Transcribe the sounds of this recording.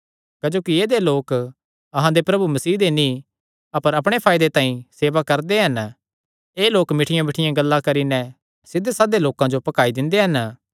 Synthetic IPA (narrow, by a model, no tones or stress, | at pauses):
kɐd͡ʒoːkieːd̪eloːk | ɐɦãd̪epɾɐbumɐsiːd̪enĩ | ɐpəɾɐpɽ̃epʰaːɪd̪et̪ãːĩseːʋakɐɾd̪eɦɐn | eːloːkmɪʈʰɪjãmɪʈʰɪjãɡɐlːakɐɾinɛ̃ | sɪd̪esaːd̪eloːkãd͡ʒopɐkaːid̪ɪ̃nd̪eɦɐn